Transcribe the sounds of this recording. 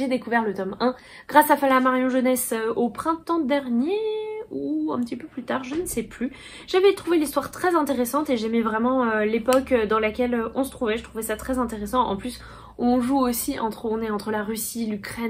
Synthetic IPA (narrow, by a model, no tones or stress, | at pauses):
ʒed̪ekuvɛʁlət̪ɔmɛ̃ | ɡ̥ʁasafalamaʁjɔ̃ʒənɛsøopχɛ̃t̪ɑ̃d̪ɛʁnjeuɛ̰̃pət̪ipøplyt̪aʁʒənəsɛply | ʒ̥avɛt̪χuvelist̪waʁt̪χɛzɛ̃t̪eʁesɑ̃t̪eʒɛmɛvʁɛmɑ̃ølepɔkød̪ɑ̃lakʲɛløɔ̃sə̥t̪χuvɛʒət̪χuvɛsat̪χɛzɛ̃t̪eʁesɑ̃ʔɑ̰̃plys | ɔ̃ɔ̃ʒuosiʔɑ̃t̪χəɔ̃nɛɑ̃t̪χəlaʁysilykχɛn